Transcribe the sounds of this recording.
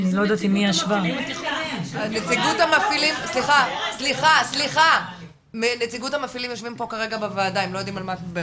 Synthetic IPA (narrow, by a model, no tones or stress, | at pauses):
nilojd̪at̪imiaʃva | anet͡siɡuthamafilimsliχasliχasliχa | mnet͡siɡuthamafilimjo̞ʃvimpo̞kaʁe̞ɡabevaːdaemlojod̪imalmatbe